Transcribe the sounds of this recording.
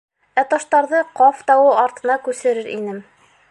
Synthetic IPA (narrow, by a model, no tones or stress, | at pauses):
æt̪ɑʃt̪ɑɾðɤqɑft̪ɑwɤɑɾt̪ɤ̆nɑkʉsɘ̆ɾɘɾʔḭnɘm